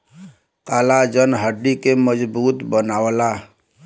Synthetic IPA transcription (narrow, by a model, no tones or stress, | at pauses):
kalad͡ʒənɦəɖːikeməd͡ʒbut̪bənawəla